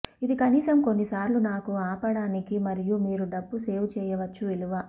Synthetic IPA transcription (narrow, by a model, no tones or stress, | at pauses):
id̪ikɐniːsɐmko̞nːisaːɾlunaːkuaːpɐɽaːnikimɐɾijumiːɾuɖɐbːuse̞ːʋwut͡ʃɛːjɐʋɐt͡ʃːuiluʋɐ